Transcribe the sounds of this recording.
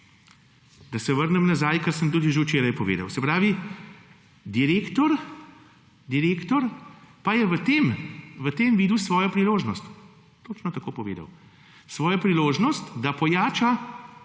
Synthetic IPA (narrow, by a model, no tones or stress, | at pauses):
d̪ɐsɛʋəɾnɛmnazajkɐɾsəmt̪uːd̪iʒewt͡ʃeːɾajpɔʋḛːd̪ɐ̰wsɛpɾaːʋi | d̪iɾeːkt̪ɔɾ | d̪iɾeːkt̪ɔɾpajɛʋət̪eːmʋət̪eːmʋiːd̪usʋɔːjɔpɾiloːʒnɔst̪ | t̪oːt͡ʃnɔt̪akoːpɔʋḛːd̪ɐ̰w | sʋɔːjɔpɾiloːʒnɔst̪d̪apɔjaːt͡ʃa